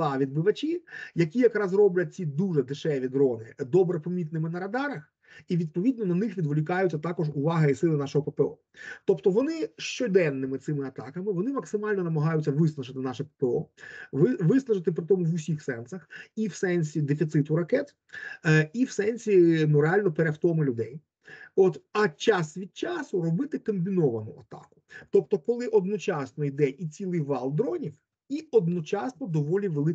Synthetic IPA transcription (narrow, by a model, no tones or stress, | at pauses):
ɑʋʲid̪̚bɪʋɐt͡ʃʲijɐkʲijɐkɾɑzrɔblʲɐt̪̚ʲt͡sʲid̪uʒɛd̪ɪʃɛʋʲid̪ɾɔnɪ̰d̪ɔbɾepɔmʲit̪nɪmɪnɐɾɐd̪ɑɾɐx | iʋʲid̪̚pɔʋʲid̪̚nɔnɐnɪxʋʲid̪ʋʊlʲɪkɑjʊt͡sʲːɐt̪ɑkɔʒʊʋɑɦɐisɪlˠɪnɑʃɔɦɔpepeɔ̰ | t̪ɔpt̪ɔʋɔnɪʃt͡ʃɔd̪ɛnːɪmɪt̪sɪmɪɐt̪ɑ̰kɐmɪʋɔnɪmɐksɪmɑlʲnɔnɐmɐɦɑjʊt͡sʲːɐʋɪsnˠɐʒɪt̪ɪnɑʃɪpepeɔ̰ʋɪʋɪsnˠɐʒɪt̪ɪpɾɪt̪ɔmʊʋʊsʲixsɛnsɐxiwsɛnʲsʲid̪efʲit̪sɪt̪ʊɾɐkɛt̪ | iwsɛnʲsʲinʊɾealʲnɔpeɾeft̪ɔmɪlʲʊd̪ɛj | ɔt̪ɐt͡ʃɑsʋʲid̪̥̚t͡ʃɑsʊrɔbɪt̪ɪkɐmʲbʲinɔʋɐnʊɐt̪ɑ̰kʊ̥t̪ɔp̚t̪ɔkɔlˠɪʔɔd̪nɔt͡ʃɑsnɔjd̪ɛʔit͡sʲilˠɪjʋɑlˠd̪ɾɔnʲiw | iɔd̪nɔt͡ʃɑsnɔd̪ɔʋɔlʲiʋelˠɪ